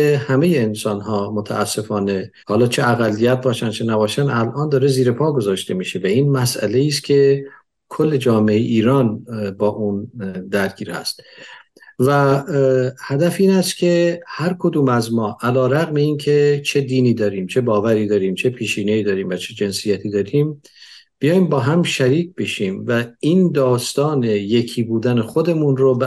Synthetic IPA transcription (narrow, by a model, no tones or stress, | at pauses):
ehæme̞jeːnsɒːnɦɒːmot̪ʰæ̰ʔæsːe̞fɒːne̞ | hɒːlɒːt͡ʃʰeæɣælːijæt̪̚bɒːʃænt͡ʃʰe̞næbɒːʃænælʔɒːnd̪ɒːɾeziːɾe̞pʰɒːɡo̞zɒːʃt̪e̞miːʃe̞væiːnmæsʔæ̰le̞iːs̬cʲʰe̞ | kʰolːe̞d͡ʒɒːmeejʔiːɾɒːnbɒːʔund̪æɾɟiːɾhæ̰st̪ | væ | hæd̪æfiːnæst̪kʲʰe̞hæɾkʰo̞d̪uːmæzmɒːʔælɒːɾæɣme̞iːncʰe̞t͡ʃʰe̞d̪iːniːd̪ɒːɾiːmt͡ʃʰe̞bɒːvæɾiːd̪ɒːɾiːmt͡ʃʰe̞pʰiːʃiːneiːd̪ɒːɾiːmvæt͡ʃʰed͡ʒe̞nsijæt̪ʰiːd̪ɒːɾiːm | b̥ijɒːjimbɒːɦæmʃæɾiːc̚ʰb̥e̞ʃiːmvæiːnd̪ɒːst̪ɒːne̞je̞cʰiːbuːd̪ænexo̞d̪e̞munɾob